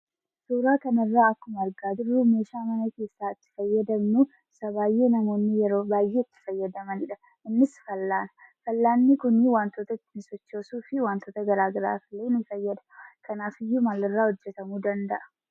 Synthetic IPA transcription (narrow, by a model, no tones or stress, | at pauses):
suːɾaːkɐnɐrːaːɐkːʊmɐɐɾɡaːd͡ʒ̪ɪɾːumeːʃaːmɐnɐke̞ːsːaːɪt̪ːɪ̥fɐjːɐd̪ɐmnu | ɪsɐbaːjːe̞ːnɐmo̞ːnːɪjɛɾo̞ːbaːjːe̞ːɪt̪ːɪ̥fɐjːɐd̪ɐmɐnɪᶑɐ | ɪnːɪsfɐlːaːnɐ̥fɐlːaːnːikʊniwaːnt̪oːt̪ɐɪt̪ːɪnɪsɔt͡ʃːoːsuːfɪwaːnt̪oːt̪ɐɡɐɾaːɡɐɾa̰ːfɪleːnɪfɐjːɐd̪ɐ̥kʰɐnaːfɪjːumalɪrːaːhɔd͡ʒːɛt̪ɐmuːd̪ɐnd̪ɐʔɐ̥